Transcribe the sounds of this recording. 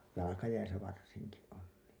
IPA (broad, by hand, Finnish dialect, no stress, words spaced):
jɑlɑkɑjæisæ ʋɑrsiŋki on niː